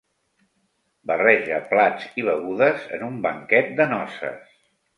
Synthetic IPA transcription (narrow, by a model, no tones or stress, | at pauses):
bərɛʒəplad͡ziβ̞əɣuðəzə̰numbəŋkɛt̪̚d̪ənɔsə̰s